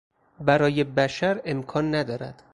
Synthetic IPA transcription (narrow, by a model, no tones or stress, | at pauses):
bæɾɒːje̞bæʃæɾe̞mkʰɒːnːæd̪ɒːɾæ̰d̪̥